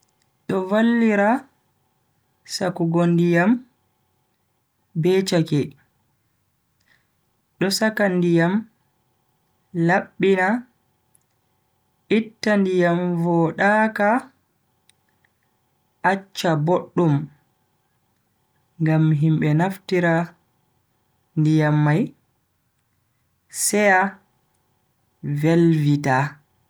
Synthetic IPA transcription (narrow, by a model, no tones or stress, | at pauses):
ɗɔvalːiɾa | sakuɡondijam | bɛt͡ʃakɛ | ɗɔsakandijam | laɓːina | ʔitːandijamvɔɗaka | ʔat͡ʃːaboɗːum | ŋɡamɦimbɓɛnaftiɾa | ndijamːaj | sɛja | velvita